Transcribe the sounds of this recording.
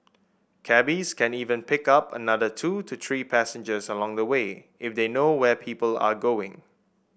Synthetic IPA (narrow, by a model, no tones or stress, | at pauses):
kʰɛbiskʰɛ̃niːvə̃npɪkapə̰nadətʰutʰut̪ʰɹiːpʰæsə̃nd͡ʒəsəlɔ̃ŋd̪əwe | ʔɪfd̪enowɛpʰiːpəla̰ɡoɪ̰̃ŋ